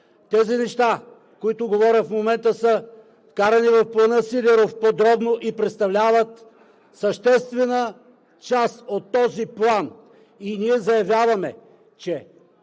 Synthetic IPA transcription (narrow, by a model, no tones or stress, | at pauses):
t̪ɛzinɛʃt̪a | koit̪ʊɡovɔɾʲət̪fmomɛnt̪əsə | kaɾɐnivɐfplˠɐnɤsid̪ɛɾofpod̪ɾɔbnoʔipɾɛt̪st̪ɐvlʲavət̪ | səʃt̪ɛst̪vɛnə | t͡ʃast̪ot̪ːɔziplˠan | iniɛzɐjɐvjavɐmɛ | t͡ʃɛ